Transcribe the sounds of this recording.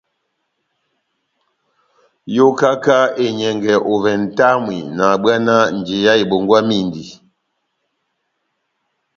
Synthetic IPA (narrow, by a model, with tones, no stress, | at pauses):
jo˦ka˦ka˦e˨ɲɛ˨ŋɡɛ˨ʔo˨vɛ˨n̩˨ta˦mwḭ˨na˨ɓwa˦na˦n̩˨d͡ʒe˨ja˦e˨ɓo˨ŋɡwa˦mi˦˨ndi˨